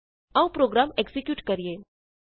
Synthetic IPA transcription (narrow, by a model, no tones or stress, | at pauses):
ɐ̃ʋũpɾoːɡɾaːmeksɪkjuːʈkɐɾijeː